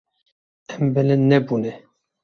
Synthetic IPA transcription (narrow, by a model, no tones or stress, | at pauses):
ɛmbɛlɛnnɛbunɛ